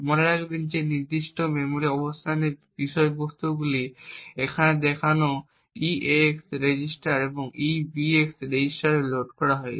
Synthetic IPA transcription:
moneɾaɡbend͡ʑeniɾd̪iʃʈomɛmoɾiɔbost̪ʰaneɾbiʃɔebost̪uɡuliekʰaned̪ɛkʰano | ieksɾed͡ʑisʈaɾeboŋibieksɾed͡ʑisʈaɾeloʈkɔɾaɦɔe

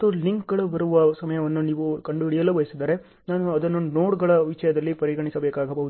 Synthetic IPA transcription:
t̪ːuliŋkɡɐɭubɐɾuʋɐsɐmɐjɐʋɐnːuniːʋukɐɳɖuiɽijɐlːuʋɐjɐsid̪aːɾe̞ | naːnuɐd̪ɐnːunoːʈɡɐɭɐʋiʂɐjɐd̪ɐlːipɐɾiɡɐɳisɐbeːkaːɡɐbɐɦud̪

